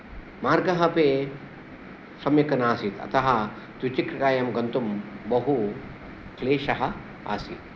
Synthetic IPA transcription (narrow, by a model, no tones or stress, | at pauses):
maːɾɡɐɦɐpeː | sɐmjɐkɐnaːsit̪ɐ̰t̪ɐɦɐ | t̪wit͡ʃikɾkaːjɐmɡɐnt̪umbɐɦu | kleːʃɐɦɐ | a̰ːsḭt̪